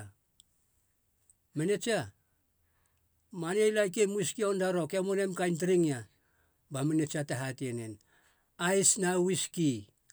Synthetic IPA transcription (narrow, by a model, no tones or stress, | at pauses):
mene̞t͡ʃa | manejlajk̬emuiskiondaɾo̞kamonemkajnt̬ɾiŋia | bamenet͡ʃataɦatienen | ajsnawiski